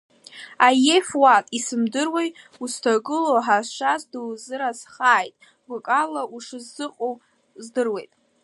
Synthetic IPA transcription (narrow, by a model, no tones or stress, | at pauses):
ajefwatʼisɨmdɨrwejtʼustʰaɡɨloħaʃʷazduwzɨɾazχaːjtʼ | ɡʷʊkʼalaʔuʂɨzːɨqʼow | zdɨrwe̞jtʼ